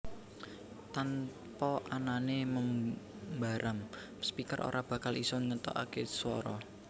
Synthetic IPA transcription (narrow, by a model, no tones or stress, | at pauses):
t̪an | pɔʔananeməm | baɾʔam | spikərʔo̰ɾʔab̥ä̤kalisɔŋət̪ɔ̰ʔa̰keswɔɾɔ